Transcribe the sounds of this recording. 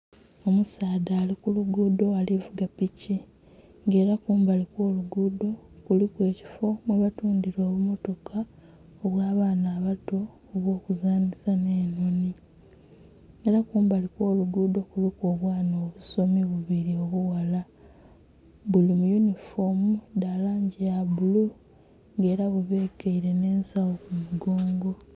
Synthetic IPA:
o̞musaːdaːlikuluɡudo̞alivuɡapici | ŋɡe̞ːɾakuːmbalikwo̞ːluɡudo̞kulikwe̞ːci̥fo̞mweβatuːndiɾo̞ːβumo̞to̞kʰa | oβwaːβaːnaːβato̞ː | βwo̞ːkuzaːnisane̞ːnoni | eɾakuːmbaliko̞ːluɡuːdo̞kulikoːβwaːnoːβuso̞miβuβiɾio̞βuwala | bulimujunifomudalaːɲɟejabulu | ŋɡe̞ːɾaβuβe̞ːkeiɾe̞ne̞ːnsawokumuɡo̞ːŋɡo̞

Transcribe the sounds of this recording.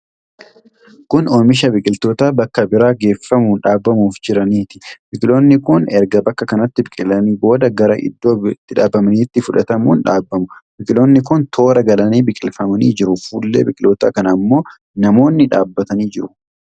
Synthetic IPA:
kʊnomɪʃ̬ɐbɪkʼɪlt̪o̞ːt̪aːbɐkːɐbɪɾaːɡe̞ːfːɐmuːnᶑaːbːɐmuːfd͡ʒɪɾɐniːt̪ɪ̥bɪkʼɪlo̞ːnːɪkʊnɛɾɡɐbɐkːɐkɐnɐt̪ːɪbɪkʼɪlɐniːbo̞ːd̪ɐɡɐɾɐʔɪ̰d̪ːo̞ːt̪ːɪᶑaːbːɐmɐniːt̪ːɪfʊᶑɐt̪ɐmuːnᶑaːbːɐmʊbɪkʼɪlo̞ːnːɪkʊnt̪ʰo̞ːɾɐɡɐlɐniːbɪkʼɪlfɐmɐnḭːd͡ʒɪɾʊfuːlːḛːbɪkʼɪloːt̪a̰ːkɐnɐmːo̞ː | nɐmo̞ːnːɪᶑaːbːɐt̪ɐniːd͡ʒɪɾʊ

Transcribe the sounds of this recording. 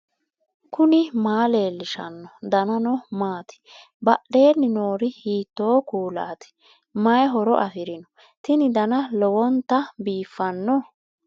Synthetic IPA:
kʊnɪmaːle̞ːlːɪʃɐ̰nːɔd̪ɐnɐnɔmaːt̪ɪ̥ | bɐɗe̞ːnːɪno̞ːɾɪhiːt̪ːoːkuːla̰ːt̪ɪ̥ | mɐjɛɦɔɾɔ̰ʔɐfɪɾɪnɔ | t̪ɪnɪd̪ɐnɐlɔwɔnt̪ːɐbiːfːɐnːɔ

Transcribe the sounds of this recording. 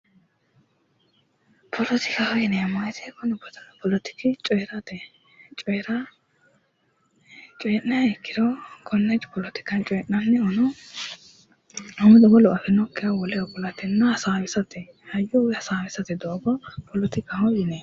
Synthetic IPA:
pʰɔlɔt̪ɪkahɔjɪnɛmajt̪ɛkɔnʊbɔt̪ɐnpɔlɔt̪ɪ̥kɪt͡ʃʼɔjɛɾɐt̪ɛ | t͡ʃʼɔjɾɐ | t͡ʃʼɔjɛnnɐjɛkːɪd̪ɔkʰɔnːɛt͡ʃʼpɔlɔt̪ɪ̥kɐnt͡ʃʼɔjɛʔnɐnːɛɔnɔ | ɔmʊd̪ɔbɔlɔʔɐfɛnɔkːɪjɐwɔlɛjɔbɔlɐt̪ɛnːɐhɐsaːwɪsɐt̪ɛ | hɐjɔwhɐsaːwɪsɐt̪ɛd̪oːbɔpʰɔlɔt̪ɪkahɔjɪnɛ

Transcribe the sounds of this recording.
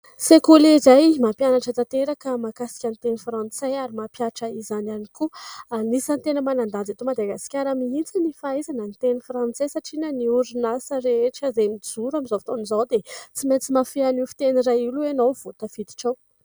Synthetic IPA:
sekulezajmapjanaʈ͡ʂət̪at̪eɾakəmakasi̥kʲanit̪enifrãnt͡sajaɾimapjaʈ͡ʂəizananikuanisant̪enəmanand̪and͡zat̪omad̪aɡasi̥kʲaɾamiit͡sinifaezanənit̪enifrãnt͡sesaʈ͡ʂinəniuɾinasəɾeʈ͡ʂəzemid͡zuɾamizovt̪onizawd̪et͡siment͡simafianifi̥t̪eniɾajiluenowv̥ot̪əfid̪i̥ʈ͡ʂaw

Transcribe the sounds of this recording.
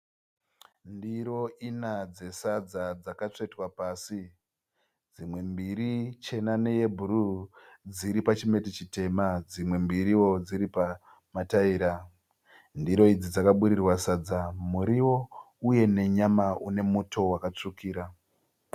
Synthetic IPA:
ndiɾo̞ʔinad͡ze̞sad͡zad͡zakat͡ʂeitwapaːsi | d͡zimwe̞mbiɾit͡ʃe̞nane̞jebʱurud͡ziɾipat͡ʃime̞tit͡ʃite̞mad͡zimwe̞mbiɾiwo̞d͡ziɾipa | mataiːɾa | ndiɾo̞id͡zid͡zakaɓuɾirwasad͡zamuɾiwo̞ | uje̞ne̞ɲamaune̞mutʰo̞wakat͡ʂukʰiːɾa

